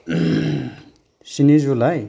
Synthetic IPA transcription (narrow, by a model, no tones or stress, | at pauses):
sinizulaj